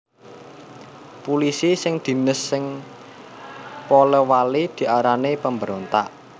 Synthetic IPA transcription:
pulisisɪŋd̪̥i̤nəsːɪŋ | poləwalid̪̥i̤ʔaɾanepəmbəɾont̪a̰ʔ

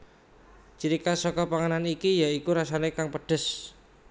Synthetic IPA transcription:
t͡ʃiɾikasɔkɔpaŋananikijaikuɾasanekaŋpəɖ̥əs

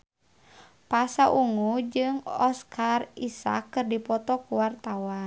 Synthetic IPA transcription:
pasaʔuŋud͡ʒɨŋɔskʰarisa̰kːɨrdipɔt̪ɔkuwart̪awa

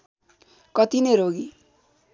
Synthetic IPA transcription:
kʌt̪ineɾoɡi

